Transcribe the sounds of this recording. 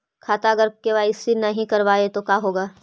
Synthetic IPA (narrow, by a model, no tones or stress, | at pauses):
kʰaːt̪aɐɡəɾkeʋaːɪsinɐɦĩkɐɾʋaːet̪okaːɦoːɡaː